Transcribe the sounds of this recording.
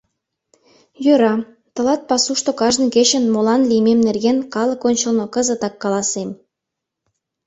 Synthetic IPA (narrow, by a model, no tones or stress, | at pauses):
jøɾɑ | t̪ɤ̆lɑt̪̚pɑsuʃt̪okɑʒnɤ̆ket͡ɕə̆nmolɑnlijmemnerɡenkɑlɤ̆konʲt͡ɕə̆lnokə̆zə̆t̪ɑkːɑlɑsem